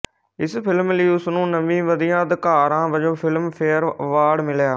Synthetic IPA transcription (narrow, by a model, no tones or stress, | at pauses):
ɪspʰɪlmliːʊsnũːnəʋĩːʋəd̪ijãːd̪kaːɾãːʋəd͡ʒõːpʰɪlmpʰeːəɾʋaːɽmɪljaː